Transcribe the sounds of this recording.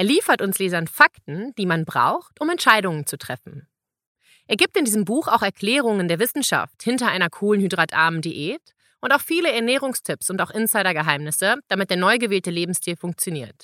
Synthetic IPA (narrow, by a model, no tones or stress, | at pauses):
ʔɛːɐliːfɐtʊnsleːzɐnfaktn̩d̥iːmanbʁa̰ʊxtʔʊmɛntʃaɪɾʊŋənt͡sutʁ̥ɛfn̩ | ʔeːɐɡiːp̚tɪndiːzəmbuːxaʊxɛɐkʰl̥ɛːʁ̞ʊŋəndeːɐvɪsn̩ʃa̰fthɪntɐʔaɪnɐkʰuːlənhyːdʁatʔa̰ɐməndeʔeːt | ʔʊntaʊxfiːləɛɐnɛːʁ̞ʊŋstʰɪpsʊntaʊxʔɪnsaɪɾɐɡəɦaɪmnɪsəd̥amɪt̚d̥eːɐnɔʏɡəveːltəleːbm̩stʰiːlfʊŋk̚t͡sjoniːɐt